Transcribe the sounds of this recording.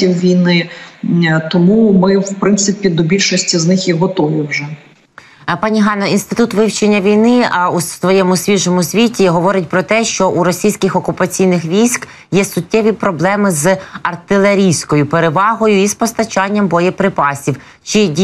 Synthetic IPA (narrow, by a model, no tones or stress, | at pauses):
iwʋʲijnɪ | t̪ɔmumɪwpɾɪnt̪sɪpʲid̪ɔbʲilʲʃɔsʲtʲiznɪxjiɦɔt̪ɔʋɪwʒɛ | pɑnʲiɦɑnɔinst̪ɪt̪ut̪ʋɪwt͡ʃenʲːɐʋʲijnɪusʋɔjɛmʊsʲʋʲiʒɔmʊsʲʋʲitʲiɦɔʋɔɾɪtʲpɾɔt̪ɛʃt͡ʃɔʔuɾɔsʲijsʲkʲɪxɔkʊpɐt͡sʲijnɪxʋʲijsʲk | jɛsʊtʲːɛʋʲipɾɔblˠɛmɪzɐrt̪ɪlˠeɾʲijsʲkɔjʊpeɾeʋɑɦɔjʊispɔst̪ɐt͡ʃɑnʲːɐmbɔjɛpɾɪpɑsʲiw | t͡ʃɪ